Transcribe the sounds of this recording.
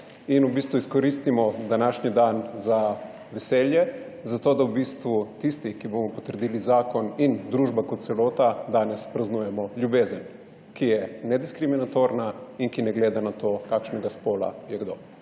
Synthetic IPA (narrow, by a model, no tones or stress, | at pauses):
inubiːst̪ʋuiskɔɾiːst̪imɔd̪anaːʃnid̪anza | ʋɛsɛːljɛ | zat̪oːd̪awbist̪ʋut̪ist̪ikibomɔpɔ̥t̪əɾd̪iːlizaːkɔnind̪ɾuːʒbakɔt̪t̪sɛloːt̪ad̪aːnɛspɾaznujɛmɔljubeːzən | kijɛnɛd̪iskɾiminat̪oɾnainkinɛɡleːd̪anat̪oːkaːkʃnɛɡaspoːla̰jɛɡd̪o̰ː